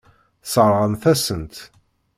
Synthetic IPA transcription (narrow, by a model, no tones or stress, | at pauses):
sˤəɾˤʁənθæsənt̪